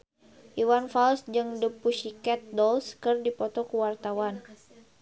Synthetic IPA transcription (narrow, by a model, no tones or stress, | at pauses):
ʔiwanfalsd͡ʒɨŋdəpuʃikɛt̪̚dɔlskɨrdipɔt̪ɔkuwart̪awan